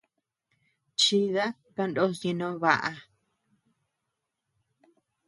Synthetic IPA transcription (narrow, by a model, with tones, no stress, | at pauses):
t͡ʃi˧ða˦ | ka˧ndo˦sɲĩ˧nõ˦βa˧ʔa˧